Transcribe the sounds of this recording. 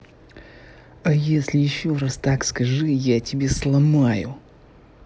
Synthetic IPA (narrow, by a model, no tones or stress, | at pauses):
ajesʲlʲɪjɪɕːo̞rast̪akskɐʐɨjatʲɪbʲeslˠɐmajʊ̰